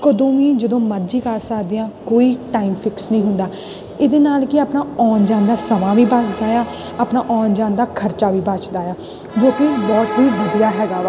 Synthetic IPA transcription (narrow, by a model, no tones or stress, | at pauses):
kod̪õːʋiːd͡ʒəd̪õːməd͡ʒiːkəɾsəkd̪eːãːkoːiːʈaːimfɪksnəĩːɦʊnd̪aː | ɪd̪eːnaːlkɪaːpnaːɔːnd͡ʒãːnd̪aːsəmãːʋiːbasd̪aːjaː | apnaːʔɔːnd͡ʒãːnd̪aːkʰəɾt͡ʃaːʋiːbat͡ʃd̪aːjaː | d͡ʒoːkɪbɔːt̪ʋiːʋəd̪ijaːɦɛːɡaː